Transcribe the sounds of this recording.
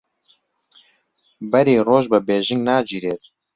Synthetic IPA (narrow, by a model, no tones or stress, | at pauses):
bɛɾiːroːʒbɨbeːʒɪŋɡnaːd͡ʒiːɾeːt̪̚